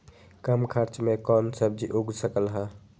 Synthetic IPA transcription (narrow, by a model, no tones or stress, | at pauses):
kəmkʰəɾt͡ʃmekɔːnsəb̚d͡ʒiʔuɡsəkəlɦa